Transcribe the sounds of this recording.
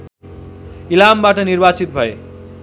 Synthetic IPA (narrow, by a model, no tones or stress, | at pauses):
ilambaʈʌnirbat͡sit̪̚bʱʌe